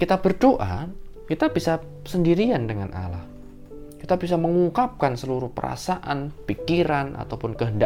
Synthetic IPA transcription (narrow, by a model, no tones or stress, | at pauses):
kit̪abərdoʔakit̪ab̥isa | səndiɾiandəŋanʔa̰la̰h | kit̪abis̬aməŋuŋkap̚kansəluɾʊhpə̰ɾa̰saʔanpikiɾana̰t̪awpʊnkəɦənda